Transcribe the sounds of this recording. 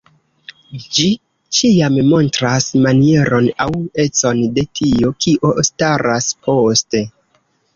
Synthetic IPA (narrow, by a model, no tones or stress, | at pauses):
d͡ʒi | t͡ʃiammo̞ntɾasmanie̞ɾo̞nawe̞t͡so̞nde̞tʰio̞kʰiʔo̞staɾaspʰo̞ste